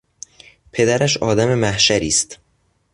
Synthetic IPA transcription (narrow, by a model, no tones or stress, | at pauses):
pʰe̞d̪æɾæʃɒːd̪æme̞mæhʃæɾiːst̪